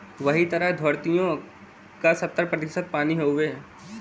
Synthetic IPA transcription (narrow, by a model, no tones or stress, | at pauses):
ʋɐɦit̪ɐɾəɦd̪ʱoːɾt̪ijõ | kasɐt̪ːəɾpɾɐt̪ɪʃət̪̚paːniɦoːʋeː